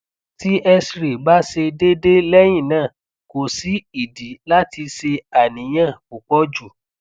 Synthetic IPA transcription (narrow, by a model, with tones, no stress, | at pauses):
ti˨˦ʔɛ˦sɾi˨ba˦ʃe˧de˦de˦lɛ˦j̃ĩ˦˨nãː˦˨ | ko˨si˨˦i˨di˨˦la˦ti˧ʃe˧a˨nĩ˨˦j̃ã˦˨ku˨k͡pɔ˦d͡ʒu˨